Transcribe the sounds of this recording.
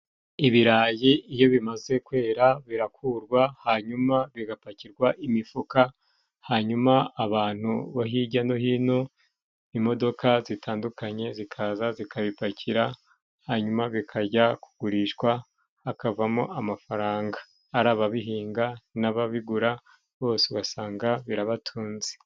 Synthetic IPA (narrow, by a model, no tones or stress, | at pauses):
iβiɾajiijo̞βimaze̞kwe̞ːɾaβiɾakʰuɾɡwahaɲumaβiɡapaciɾɡwaʔimifuka | haɲumaːβaːn̥huβaɦiɟano̞ɦiːno̞ | imo̞do̞kʰazitʰaːndukʰaɲe̞zikʰazazikʰaβipacʰiɾa | haɲumaβikʰaɟaku̥ɡ̥uɾiʃɡwaː | kavamo̰ʔamafaɾaːŋɡaː | ɾaːβaβiɦiːŋɡanaβaβiɡuɾa | βo̞ːseuɡasaːŋɡaβiɾaβatʰuːnze̥